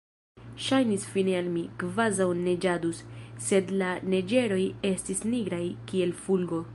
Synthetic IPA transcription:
ʃajnisfinealmikvazawne̞d͡ʒadusse̞dlane̞d͡ʒe̞ɾo̞je̞stisniɡɾajkie̞lfulɡo̞

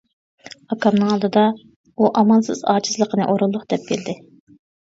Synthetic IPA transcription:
ɑkʰɑmnɨŋɑlˠd̪ɨd̪ɑ | uʔɑmɑnsɨ̰z̥ɑ̰ːt͡ʃʰɪ̥zlˠəqʰənɨ̰ʔoɾʊlˠːʊχd̪̥ɛp̚kʲʰeld̪ɪ

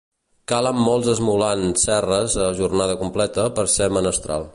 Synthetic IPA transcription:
kaləmːɔlˠzəzmulansɛrəzəʒurnaðəkumplɛt̪əpəɾsɛmənəst̪ɾa̰lˠ

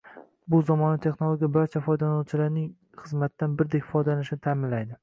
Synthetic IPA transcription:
bʊzɒmɒnɪt̪ʰe̞χnolˠoɡʲijabaɾt͡ʃʰafɒjd̪anɒwt͡ʃʰɪlaɾnɪŋ | χɨzmat̪ːanbɪɾd̪ekʲfɒjd̪alanɪʃɪnɪt̪ʰaːmɪnlajd̪ɪ

